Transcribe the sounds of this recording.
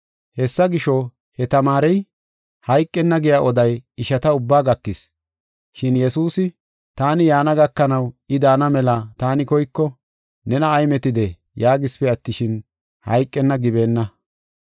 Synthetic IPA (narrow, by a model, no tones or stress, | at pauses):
hɛsːɐɡɪʃɔ | hɛt̪ɐmaːɾɛj | hɐjkʼːɛnːɐɡɪjaːʔɔd̪ɐjɪʃɐt̪ɐʊbːaːɡɐk̪ːɪs | ʃɪnjɛsuːsɪ | t̪aːnɪjaːnɐɡɐkːɐnɐwɪd̪aːnɐmɛlɐt̪aːnɪkɔjkːɔ | nɛnɐːjmɛt̪ɪd̪ɛ | jaːɡɪspɛɐt̪ːɪʃɪn | hɐ̰jkʼːɛnːɐɡɪbe̞ːnːɐ